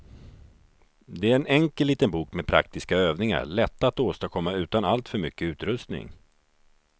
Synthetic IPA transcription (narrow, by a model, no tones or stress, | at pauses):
d̪ɛæɾɛnɛŋkəliːt̪ənbuːkmɛpʰɾa̰k̚t̪ɪskaøːvnɪŋa̰ɾɭɛt̪ːat̪oːst̪akʰɔmːaʉ̟ːt̪analt̪fœɾmʏkːəʉ̟ːt̪ɾɵst̪nɪ̰ŋ